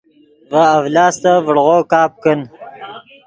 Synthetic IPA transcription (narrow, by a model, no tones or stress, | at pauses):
vaːwlɑːst̪avəɽʁokɑːp̚kən